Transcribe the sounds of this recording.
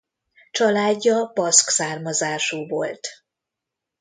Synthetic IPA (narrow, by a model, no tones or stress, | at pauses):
t͡ʃɒlaːɟːɒbɒsksaːrmɒzaːʃuːvo̞lt̪